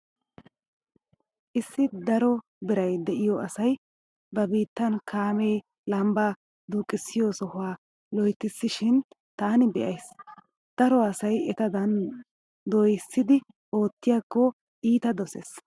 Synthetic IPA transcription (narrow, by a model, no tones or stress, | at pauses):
ʔɪsːɪd̪ɐɾɔ | bɪɾɐjd̪ɛʔɪjɔɐsɐj | bɐbiːt̪ːɐnkʰaːmeː | lɐmba | d̪uːkʼɪsːɪjɔsɔhʊaː | lɔjt̪ːɪsːɪʃɪn | t̪aːnɪbɛʔɐjs | d̪̥ɐɾɔɐsɐjɛt̪ɐd̪ɐn | d̪oːjɪsːɪd̪ɪ | o̞ːt̪ːɪjaːkːɔ | ʔiːt̪ɐd̪ɔsḛːs